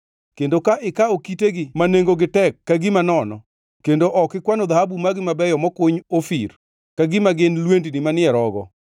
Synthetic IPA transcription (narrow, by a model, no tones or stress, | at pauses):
kendokaʔɪkaokiteɡɪmaneŋɡoɡɪtɛkːaɡɪmanɔnɔ̰ | kendoʔɔkɪkwanɔd̪ahabumaɡɪmabɛjɔmɔkʊɲofḭr | kaɡɪmaɡɪnlwendnimanɪɛɾɔɡɔ̰